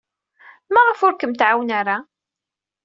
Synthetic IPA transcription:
mæʁəfʊɾkəmt̪ʕawnaɾa

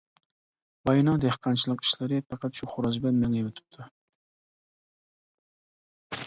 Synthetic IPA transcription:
bɑjnɑwd̪ehqʰɑnt͡ʃʰilˠəqi̥ʃlɪɾɪpɑqʰɑt̪ʃuχʊɾɑd͡ʒblɛnmeŋjwɪt̪ʰɪ̥p̚t̪ʰʊ

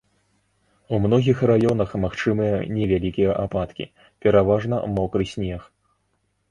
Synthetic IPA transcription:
umnɔɣʲixrajɔnɐxmaxt͡ʂɨmɨjɐnʲɛvʲalʲikʲijɐʔapat̪kʲḭ | pʲɛɾavaʐnɐ̰mɔkɾɨsʲnʲɛx

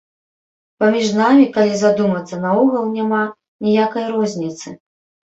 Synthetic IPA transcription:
pamʲiʐnamʲikalʲizad̪umɐt̪sːɐnɐɔɣɐlˠnʲama | nʲijakɐjɾɔzʲnʲit̪sɨ

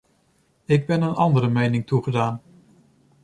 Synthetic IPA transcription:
ɪɡ̚bɛnənɑndəɾəmejnɪŋtuχədaːn

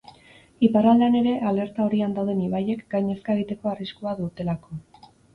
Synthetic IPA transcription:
iparald̪ane̞ɾe̞ʔale̞ɾt̪ao̞ɾiand̪awð̞e̞niβaje̞kɡajɲe̞skaeɣ̞it̪e̞ko̞ariskuaðut̪e̞lako̞

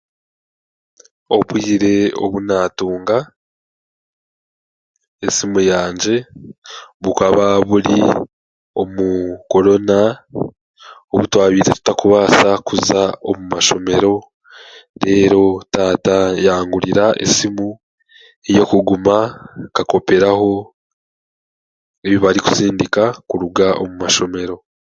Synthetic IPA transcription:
o̞βwiːɾe̞o̞̰βunaːtuːŋɡa | esimujaːɲd͡ʒe̞ | βukaβaβuɾi | o̞muko̞ɾo̞na | o̞βutwaːβiːzetu̥takuβaːsakuzaomumaʃo̞me̞ɾo̞ | ɾe̞ːɾo̞taːtajaːŋɡuɾiɾaʔḛsimu | ejo̞kuɡumakako̞pe̞ɾaho̞ | eβiβaɾiku̥siːndikakuɾuɡaʔomumaʃo̞me̞ɾo̞

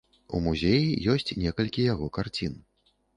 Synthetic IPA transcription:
ṵmuzʲejijɔsʲt͡sʲnʲɛkɐlʲkʲijaɣɔkart͡sʲin

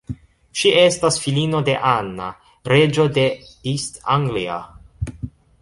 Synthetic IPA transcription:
ʃiʔe̞stasfilino̞de̞ʔanːa̰ | ɾe̞d͡ʒo̞de̞istaŋɡlia̰

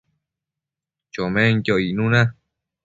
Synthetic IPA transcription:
t͡ʃomẽŋjoinũna

